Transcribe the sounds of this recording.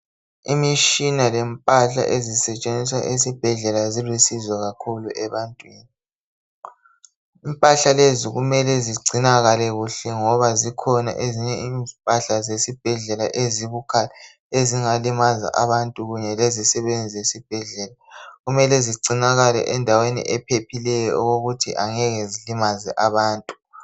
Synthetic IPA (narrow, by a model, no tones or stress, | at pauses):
imiʃinalɛmpʼaɬa̰ʔezisɛt͡ʃʼend͡ziswa̰ʔesib̥ʱɛɮɛlazilwisizaɣakʰuluʔɛβantʼwiːni | impʼaɬaleziɣumɛlɛziɡ͡ǀʱinaɣalɛɣuɬɛŋɔβazikʰɔna̰ʔeziɲɛimpʼaɬazesib̥ʱɛɮɛlaʔeziβukʰa | eziŋalimaza̰ʔaβantʼuɣuɲɛlezisɛβend͡zʱiesib̥ʱɛɮɛːlaɣumɛlɛziǀinaɣalɛ̰ʔɛndʱawenḭʔɛpʰepʰilɛjɔɔɣoɣutʰiʔaŋɛɣezilimazɛʔaβaːntʼu̥